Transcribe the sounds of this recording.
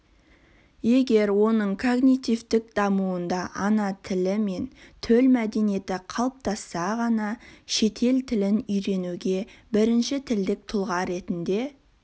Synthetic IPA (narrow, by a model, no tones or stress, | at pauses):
je̞ɡʲe̞ɾwo̞nəɴkʰo̞ɡnit̪ijvt̪ɪk̚d̪̥ɑmuwənd̪ɑʔɑnɑt̪ʰɪlɪme̞nt̪ʰɵlmæd̪e̞nije̞t̪ɪqʰɑlˠəp̚t̪ʰɑsːɑʁɑnɑʃe̞t̪ʰe̞lt̪ʰɪlɪnʏjɾe̞nuɡʲe̞bɪɾɪnʃɪt̪ʰɪld̪ɪk̚t̪ʰʊlˠʁɑɾe̞t̪ɪnd̪e̞